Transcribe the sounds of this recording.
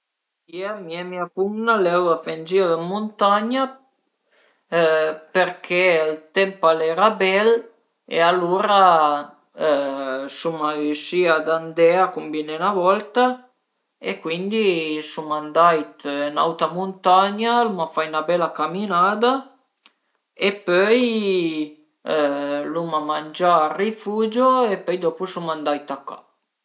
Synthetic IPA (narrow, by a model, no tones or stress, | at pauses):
iɛmiamiafumnalɛwafɛnd͡ʒiad̪əmunt̪aɲa | pəɾkʰeəlt̪ɛmpalɛːɾabɛl | ḛaluːɾa | sumauʃiad̪and̪ɛakumbinɛnavɔlt̪a | ekːwind̪isumand̪ajt̪na̰wt̪amunt̪aɲalumafajnabɛlakaminaːd̪a | epøj | lumamand͡ʒarifuːd͡ʒoepœjd̪ɔpusumand̪ajt̪aka̰